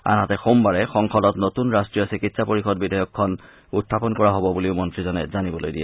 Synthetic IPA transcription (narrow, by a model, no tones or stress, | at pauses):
a̰nɦatɛxombaɹɛxɔŋkɔlɔtnotunɹastɹijɔsikitsapoɹixɔdbidʱajɔkʰːɔn | utʰːapɔnkɔɹaɦɔbɔbuliʊmɔntɹizɔnɛzanibɔlojdijɛ